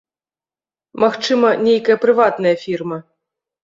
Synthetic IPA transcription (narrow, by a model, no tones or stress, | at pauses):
maxt͡ʂɨmɐnʲejkɐjɐpɾɨvat̪nɐjɐfʲirmɐ